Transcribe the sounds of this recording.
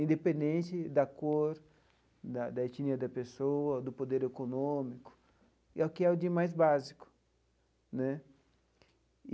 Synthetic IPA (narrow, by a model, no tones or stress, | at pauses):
ĩnd̪epẽnd̪ẽnt̪ɪd̪ɐkoɾ | d̪ɐd̪ɐet͡ʃiniɐd̪ɐpesoɐd̪ʊpod̪eɾekonõmikʊ̥ | ɛʊkɪɛʊd̪imajzbazikʊ̥ | nɛ